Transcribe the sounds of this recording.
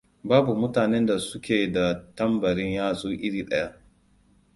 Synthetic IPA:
baː˦bu˨mʊ˦taː˨ne˦nda˨sʊ˦kʲeː˨da˨tɐ˦mbɐ˨ɽɪ˦ɲjaː˦sʼoː˦ʔɪ˦ɽiː˨ɗɐ˦ja˦ʔ

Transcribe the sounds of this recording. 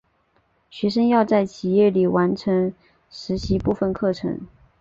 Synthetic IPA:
ɕɥɛ˧˥ʂə˥ŋjɑ˥˧ʊt͡sa˥˩ɪt͡ɕʰi˨˩jɛ˥˩li˨˩wa˧˥nʈ͡ʂʰɤ˧˥ŋ | ʂɻ̩˧˥ɕi˧˥pu˥˧fə˥˧nkʰɤ˥˩ʈ͡ʂʰɤ̰˧˥ŋ

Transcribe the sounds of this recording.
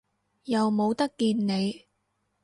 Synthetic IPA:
jɐ˨wmo˨˧wt̪ɐ˥kːiː˧nːe˨˧j

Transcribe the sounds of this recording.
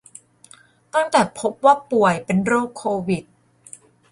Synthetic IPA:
t̪a˥˩ŋt̪ɛː˨˩pʰo˦˥p̚waː˥˩pu˨˩əjpe˧nɾoː˥˩kʰːoː˧wi˨˩t̪̚

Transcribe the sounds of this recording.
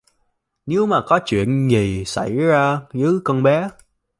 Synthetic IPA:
ne˨˦wmaː˨˩kɔ˨˦t͡ɕwḭ˧˨ənzi˨˩sa̰˧˩jzaː˧zɨ˨˦kɔ˧nɓɛ˨˦

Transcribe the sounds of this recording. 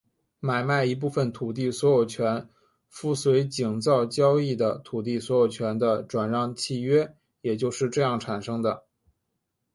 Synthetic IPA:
ma˨˩ɪma˥˩ɪi˧˥p̬u˥˩fə˩nt̪ʰu˨˩t̪̬i˥˩swɔ˧˥jo˨˩ʊt͡ɕʰɥɛ˧˥n | fu˥˩swe˧˥ɪt͡ɕi˨˩ŋt͡sɑ˥˩ʊt͡ɕjɑ˥ʊi˥˩d̪ə˩t̪ʰu˨˩t̪̬i˥˩swɔ˧˥jo˨˩ʊt͡ɕʰɥɛ˧˥nd̪ə˧ʈ͡ʂwa˨˩nɻɑ˥˧ŋt͡ɕʰi˥˧ɥɛ˥ | jɛ˨˩t͡ɕjo˥˧ʊʂɻ̩˥˧ʈ͡ʂɤ˥˧jɑ˥˩ŋʈ͡ʂʰa˨˩nʂɤ˥ŋd̪ə˨

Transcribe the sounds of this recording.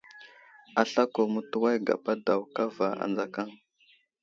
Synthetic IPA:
a˨ɬa˦ko˨mu˦tu˦wa˦jɡa̰˨pa˦da˨wka˦va˨a̰˨nd͡za˦ka˦ŋ

